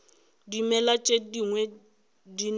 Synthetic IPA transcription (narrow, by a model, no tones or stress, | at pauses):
dimɛlat͡ʃʼediŋwɛ | din